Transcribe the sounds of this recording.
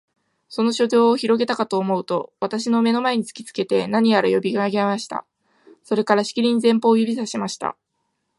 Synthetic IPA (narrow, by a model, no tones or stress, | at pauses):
so̞no̞ɕo̞do̞ːçiɾo̞ɡe̞t̪akat̪o̞ːmo̞ɯ̟t̪o̞βat̪aɕino̞me̞no̞mae̞ɲ̟it͡sɨ̥kʲi̥t͡sɨ̥ke̞t̪e̞naɲ̟ijaɾajo̞bʲiɡaːɡeamaɕi̥t̪a̰ | so̞ɾe̞kaɾaɕi̥kʲiɾʲĩɲ̟izẽ̞mpo̞ːjɯ̟bʲisaɕimaɕi̥t̪a̰